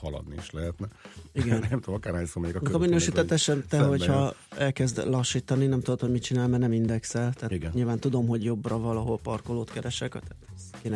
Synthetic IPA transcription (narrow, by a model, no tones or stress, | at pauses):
hɒlɒ̰d̪niḭʃlɛɦɛt̪nɛiɡɛnnɛmt̪ud̪omɒkaːɾrhaːɲsoːmɛɛɡɒkːɒminøːʃiːt̪ɛt̪ɛʃɛnt̪ɛɦo̞chɒɛlkɛzd̪lɒʃːiːt̪ɒninɛmt̪ud̪ot̪ho̞ɟmit̪̚t͡ʃinaːlmɛnɛmind̪ɛksɛlt̪ɛːiɡɛnɲiːlvaːnt̪ud̪o̞mɦo̞ɟjo̞brɒvɒlɒɦo̞lpɒrko̞loːt̪kɛɾɛʃɛkt̪ɛt̪keːnɛ